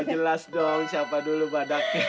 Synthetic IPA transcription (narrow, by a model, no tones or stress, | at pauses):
d͡ʒəlasdɔŋsiapadulubadak̚